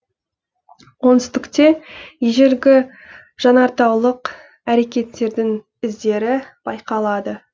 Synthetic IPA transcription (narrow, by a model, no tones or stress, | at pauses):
wonɪst̪ɪkt̪e̞jeʒeɾɡʲɪ | ʒ̥ɑnɑɾt̪ɑwlˠəq | æɾe̞kʲe̞t̪ːe̞ɾd̪ɪŋ | ɪzd̪e̞ɾɪb̥ɑjqɑlˠɑd̪ə